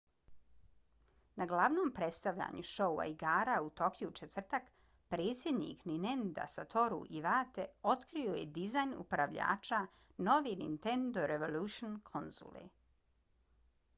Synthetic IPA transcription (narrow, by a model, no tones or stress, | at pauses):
naɡlˠaʋnoːmpɾet̪st̪aʋʎa̰ɲuʃo̞ua̰iɡaːɾaut̪o̞kjut͡ʃet̪ʋr̩t̪ak | pɾeːt̪sjed̪nḭkninend̪a̰sat̪ʰo̞ɾṵʔiʋaːt̪e̞o̞t̪kɾiojḛd̪izajnṵpɾaʋʎa̰ːt͡ʃa | no̞ʋinḭnt̪end̪o̞ɾeʋo̞luʃonkʰonzṵlḛ